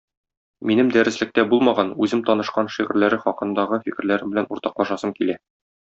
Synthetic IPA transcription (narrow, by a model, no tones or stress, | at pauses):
minɘmd̪æɾɘ̆slɘ̆k̚t̪æbulˠmɑʁɑnʉzɘmt̪ɒnɤ̆ʃqɑnʃiʁɘ̆ɾlæɾɘχɒqɤ̆nd̪ɑʁɤfikɘ̆ɾlæɾɘmbɘ̆lænuɾt̪ɑqlˠɑʃɑsɤmkilæ